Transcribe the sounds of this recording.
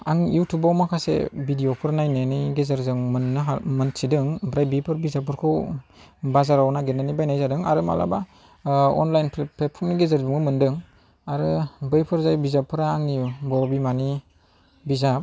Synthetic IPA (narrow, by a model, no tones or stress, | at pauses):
aŋjutʰubawmakʰasḛbidijopʰɯɾnajnenijɡezɯɾzɯŋmɯnːɯɦamɯnsidɯŋbɾajbipʰɯɾbizap̬ʰɯɾkʰɯw | bazaɾawnaɡenanibajnajzadɯŋa̰ɾɯma̰la̰ba | ɔ̰nlajnpʰpʰet̚pʰɔɾmniɡezaɾzɯŋɡɯmɯndɯŋ | aɾɯbɯjpʰɯɾzajbizapʰːɯɾaːŋnibɔɾbimani | bizap̚